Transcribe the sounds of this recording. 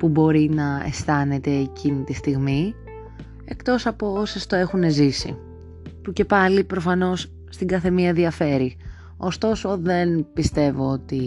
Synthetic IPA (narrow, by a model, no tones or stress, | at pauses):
pubo̞ɾinɐḛst̪ɐne̞t̪e̞ːcinit̪ist̪iɣmi | e̞kt̪o̞sɐpoose̞st̪o̞e̞xune̞zisḭ | puce̞pɐlipɾo̞fɐno̞sː | t̪iŋɡɐθe̞miɐðiɐfe̞ɾi | o̞st̪o̞so̞ðe̞npist̪e̞vo̞ot̪i